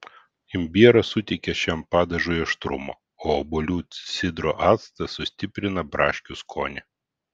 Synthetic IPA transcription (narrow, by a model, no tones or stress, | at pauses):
ɪmʲbʲiɛɾɐsʊt̪ʲɛɪkʲɛʃʲɛmpɑːd̪ɐʒʊjɛʃt̪ɾʊmo̰ː | oːɔbɔlʲuːsʲɪd̪ɾoːʔɑːt̪st̪ɐsʊsʲt̪ʲɪpʲɾʲɪnɐbɾɑːʃʲkʲʊskʰoːnʲɛ